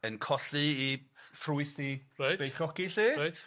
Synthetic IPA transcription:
ənkʰɔɬɨifrʊɨθirajtb̥ejχɔkiɬiːɾajt

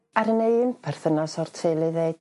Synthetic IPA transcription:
aɾəneɨnpʰɛr̥θənɔsɔrtʰejlˠɨðe̥

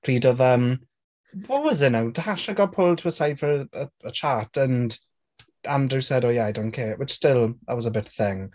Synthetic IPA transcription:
r̥iːdɔðəm | wɔwɔzɪnawdəhaʃaɡɔpʰʊlˠtʰuəsajvfəɾəəət͡ʃʰatʰənd | amdrɪwsɛdɔjadɔnkʰeːʔwɪt͡ʃstɪlˠðə̰wɔzəbɪtəθɪŋ

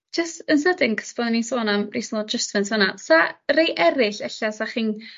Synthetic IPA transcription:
d͡ʒ̥əstənsədɪŋkʰə̥sbɔnninsoːnamrisnɔd͡ʒəstvənsʰənasarejʔɛɾɪɬɛɬasaχiːn

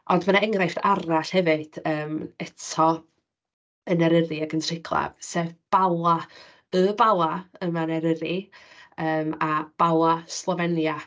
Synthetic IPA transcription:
ʔɔndmənaɛŋrajftaraɬhɛvɨd̥əːmɛtʰɔ | ənɛɾəɾiaɡəntʰr̥ɪkʰlˠa̰vseːvb̥alˠa | əbalˠaəmanɛɾəɾi | əːmab̥alˠaslˠɔvɛnja

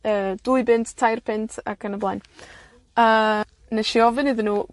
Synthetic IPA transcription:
əːd̥uɨbɪntʰtʰajrpʰɪntʰa̰kʰənəblˠan | ə | nɛʃiɔvɨnɨðɪnuː

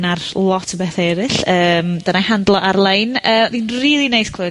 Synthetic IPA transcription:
narlˠɔtʰəbɛθɛɛɾɪɬəːmd̥ənahandlˠɔʔarlˠejnəːdinriːlˠinejskʰl̥ɨ

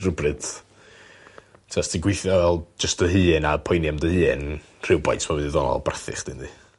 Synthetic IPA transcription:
rʊbrɨd̥ | tʰastiɡwɪθjɔvɛlˠd͡ʒəstəɦɨːnapʰɔjnjamdəhɨːn | r̥ɪwba̰jtmawɨndiðɔnɔ̰lˠbraθɪ̰χd̥ɨndɨ

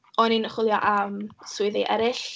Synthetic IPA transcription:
ɔninəχwɪlˠjɔʔamsʊɨðeʔɛɾɪɬ

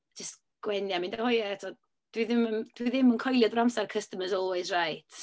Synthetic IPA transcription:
d͡ʒəst | ɡ̥wɛnjamɪndahɔjɛatʰɔ | d̥wiðɪmənd̥wiðɪmənkʰɔjlˠjadramsarkʰəstəməzɔlˠwɛzrajtʰ

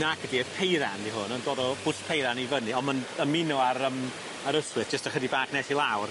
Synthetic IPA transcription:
naɡədiəpʰejɾandiɦʊnɔndoːdɔb̥ʊspʰejɾanivənɨɔnmanəmɪnɔaɾəm | aɾəswɨθd͡ʒ̥əstaχʰədibaːknɛsilˠawr

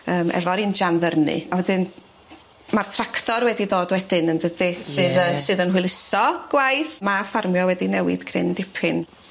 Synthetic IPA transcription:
əːmʔɛ̰vɔɾind͡ʒanðərnɨ̰awɛdɨn | martʰraktɔɾwɛdidoːdwɛdɪnəndədɨsɨːðəsɨːðənɦɨlˠɪsɔɡ̥wajθmafarmjɔwɛdinɛwɪ̰d̥kʰrɪ̰ndɪpʰɪn

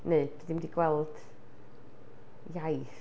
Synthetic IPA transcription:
neɨb̥ɨðimdiɡwɛlˠd̥ | jajθ

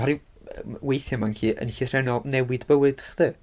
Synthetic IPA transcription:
hɔɾi | wejθjɔmankʰiːʔə̰nɬɪθrɛnɔnɛwɪdbəwɨd̥χð̥ɨː

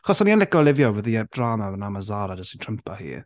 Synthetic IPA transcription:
aχɔsɔnianlɪɡɔlˠɪvjɔwəðiɛd̥raːnaənamazaːɾad͡ʒəstitʰr̥əmpʰahḭː

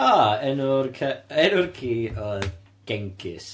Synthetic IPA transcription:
aɛnʊrkʰɛnʊrkʰiːɔð | ɡ̥ɛŋkʰɪ̰s

